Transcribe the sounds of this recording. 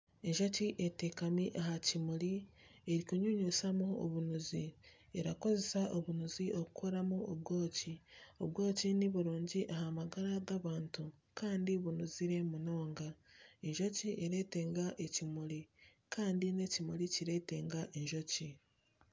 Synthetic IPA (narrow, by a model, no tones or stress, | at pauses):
eɲʒo̞ciʔetekamiʔaɦacimuɾi | eɾikuɲuɲusamuo̰βunuzi | eɾako̞ze̞saʔoβunuzio̞kukʰoɾamuoβɡo̞ːcio̰βɡo̞ːciniβuɾuːɲɟiʔahamaɡaɾaɡaβaːntu | kʰaːndiβunuziɾe̞muno̞ːŋɡaeɲʒo̞ciʔeɾe̞ːte̞ːŋɡaʔecimuɾikaːndine̞cimuɾiciɾe̞te̞ːŋɡaʔeɲʒo̞ci